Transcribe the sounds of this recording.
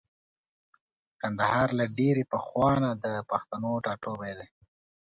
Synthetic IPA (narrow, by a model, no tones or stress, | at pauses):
kand̪aɦɑɾlaɖeɾepəxwɑnad̪əpaxt̪anoʈɑʈobed̪e